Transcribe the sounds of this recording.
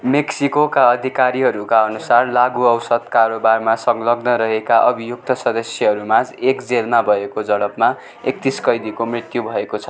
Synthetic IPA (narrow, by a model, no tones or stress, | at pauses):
meksikokaʌd̪ʱikaɾiɦʌɾukaʌnusarlaɡuʌwsʌd̪kaɾobarmasʌŋɡlʌɡnʌɾʌɦekaʔʌbʱijuk̚t̪ʌsʌd̪ʌsjʌɦʌɾumad͡zekd͡zelmabʱʌekod͡zʌɽʌpma | ek̚t̪iskʌjd̪ikomrit̪jubʱʌekot͡sʰʌ̥